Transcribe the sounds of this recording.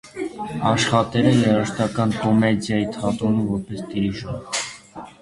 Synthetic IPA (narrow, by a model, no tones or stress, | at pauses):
ɑʃχɑt̪ɛɾɛlɛɾɑʃt̪ɑkɑnkɔmɛd͡zjɑjit̪ʰɑt̪ɔnumvɔɾpɛst̪iɾiʒɔɾ